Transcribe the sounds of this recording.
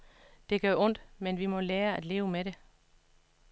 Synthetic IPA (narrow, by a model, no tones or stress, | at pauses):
d̥e̝ɡ̥œɐʔɔ̽n̰d̥menʋimɒ̽leːɐæd̥le̝ːʊəmeɾe̝